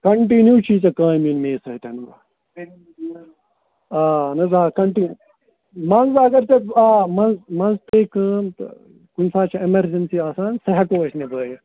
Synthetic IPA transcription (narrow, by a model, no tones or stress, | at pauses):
kɐɳʈinjuːt͡ʃʰit͡sɐkãːjminmeːsɐɦt̪ʲɐnbɐ̰ | aːnɐzaːkɐɳʈinju | mɐnzɐɡɐɾt͡ʃɐaːmɐnzmɐnst̪eːkɨmt̪ | kunsaːt͡ʃʰɐemɐɾd͡ʒɐnsiaːsaːnsɐɦɐkoːɐʃnebəːjɐ